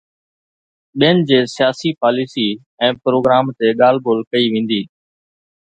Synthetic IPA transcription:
ɓɪənd͡ʑeːsjaːsipaːliːsiː | ɛ̃ːpɾoːɡɾaːmt̪eɠaːlboːlkəiʋẽːn̆d̪iː

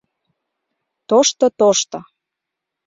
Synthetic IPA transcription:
t̪oʃt̪ot̪oʃt̪o

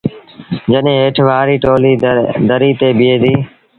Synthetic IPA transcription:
d͡ʒəɗẽːɦeːʈʰʋaːɾiːʈoːliːd̪əɾiːt̪eːbɪeːd̪iː

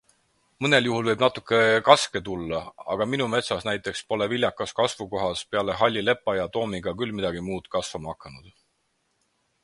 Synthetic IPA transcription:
mɤne̞ljuɦulvɤjbnɑt̪ːˑukːˑe̞kɑske̞t̪ulːɑɑ̰ɡ̥ɑminume̞t̪sɑsnæjt̪ːˑe̞kspo̞le̞vilʲjɑkːˑɑskɑsvuko̞ɦɑspe̞ɑle̞ɦɑlʲːile̞pːˑɑjɑt̪o̞ːmiɡ̥ɑkylmid̪̥ɑɡimuːd̪̥kɑsvɑmɑɑkːˑɑnud̪̥

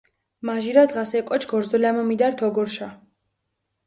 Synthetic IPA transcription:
maʒiɾad̪ʁasɛkʼɔt͡ʃʰɡ̥ɔɾzɔlamɔmid̪aɾt̪ʰɔɡɔɾʃa

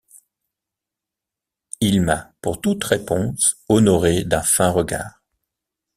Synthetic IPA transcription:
ilmapuʁt̪ut̪ʁepɔ̃sɔnɔʁed̪ɛ̃fɛ̃ʁəɡa̰ːʁ

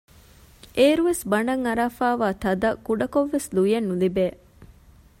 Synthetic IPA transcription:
ʔeːɾuʋesbɐɳɖɐŋɐɾaːfaːʋaːt̪ɐd̪ɐkuɖɐkoʋːeslujenːulibeː

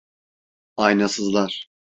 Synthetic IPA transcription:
ajnasɯzlˠaɾ̥

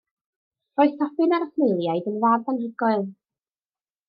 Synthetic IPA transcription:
rɔɨθʰɔpɨnaɾəχnejlˠjajdənvaːdanrɪɡɔɨlˠ

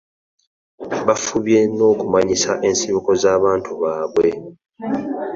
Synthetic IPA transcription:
βafuβje̞no̞ːkumaɲisaʔe̞nsiβuko̞zaːβaːntuβaːβwe̞

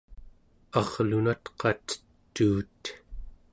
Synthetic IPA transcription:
ɑʁlunat̪qʰɑt̪ə̥tt̪ːuːt̪

